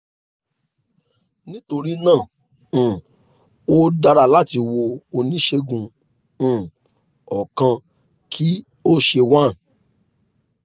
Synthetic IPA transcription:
nĩ˦to˧ɾi˦nãː˦˨ | o˦da˧ɾa˧la˦ti˧wo˧o˧nĩ˨˦ʃe˧ɡũ˨ | ɔ˨kã˧ | kʰi˦ | o˦ʃe˧wã˦˨

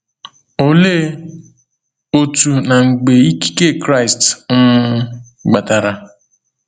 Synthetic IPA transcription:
o˨le˦ | o˨tu˨na˨ŋ̩˨ɡ͡be˨i˦ki̥˦ke˦˨kɾa˦˨ɪ˨stŋ̩˦ | ɡ͡ba˨ta˨ɾa˨

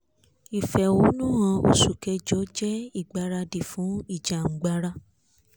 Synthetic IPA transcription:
i˨fɛ˨wu˨˦nũ˦ã˧o̰˧su˨kɛ˧d͡ʒɔ˨˦d͡ʒɛ˦i˦˨ɡ͡ba˧ɾa˧di˨fũ˨˦i˦˨d͡ʒa˨ŋ̩˨ɡ͡ba˧ɾa˧

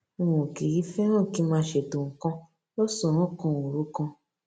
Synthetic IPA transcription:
õ˨ki˨ɾi˦fɛ˦ɾ̃ɔ̃˦˨ki˨˦mãː˦ʃe˨tõ˨ŋ̩˨kã˧ | lɔ˦sɔ̃˨ɾ̃ɔ̃˦˨kɔ̃˦˧o˨ɾu˦kɔ̃˧

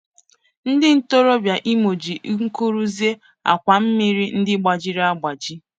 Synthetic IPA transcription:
n̩˦dɪ˦n̩˦to˦ɾo˦bja˨ʔi˦mo˨d͡ʒi˨ʔŋ̩˦ko˦ɾu˦zi˦e˦ | a̰˨kʷa˨m̩˦mi˦ɾi˦n̩˦dɪ˦ɡ͡ba˨d͡ʒi˦ɾa˦ɡ͡ba˨d͡ʒi˦

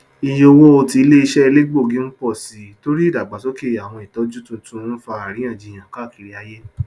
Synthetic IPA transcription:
i˧˨jo˦˧wo˦o˧ti˧˦le˦i˧ʃɛ˦i˧le˦ɡ͡bo˦˨ɡĩ˨˦n̩˦k͡pɔ˦˨si˨˦to˦ɾi˦˨da˨ɡ͡ba˨sɔ˨˦ke˦˨a˨w̃ɔ̃˧i˨tɔ˨˦d͡ʒu˦tũ˧tũ˧˦fa˧˦a˨ɾĩ˨˦ã˦˨d͡ʒi˧˨j̃ã˨ka˦˨ki˨ɾi˨˦a˦je˦

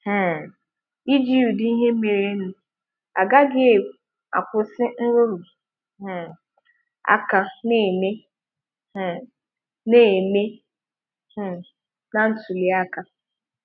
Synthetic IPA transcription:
i˦d͡ʒi˦u˨dɪ˦i˦ɦe˦me˨ɾe˦nʊ˨ | a˨ɡa˦ɡe˦e˦˨u˨ | a̰˨kʷʊ˨sɪ˦n̩˦ɾo˦ɾʊ˨ | ɦ̩˨ | a̰˦ka˨ne˨me˦ | h̩˨ | ne˦˨me˦˨ | na˨n̩˦tu˨li˨˦a˦ka˨

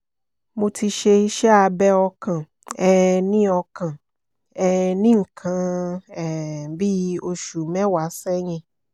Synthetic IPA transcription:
mo˧tʰi˧ʃe˧i˧ʃɛ˦a˧bɛ˦ɔ˧kã˨ | ɛ˦˧nĩ˦ɔ˧kã˨ | ɛ˧nĩ˦ŋ̩˨kʰã˧˦ɛ˨bi˦o˧ʃu˨mɛ̃˦wa˨˦sɛ˦ɲɛ̃˧

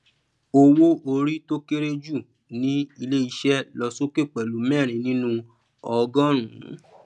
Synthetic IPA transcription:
o˧wo˦o˧ɾi˦to˦ke˦ɾe˦d͡ʒu˦˨ | nĩ˦i˧le˦i˧ʃɛ˦lɔ˧so˦ke˦˨k͡pɛ˨lu˨˦mɛ˦˨ɾ̃ĩ˨nĩ˦nũ˦ | ɔ˧ɡɔ̃˦ɾ̃ũ˨˦

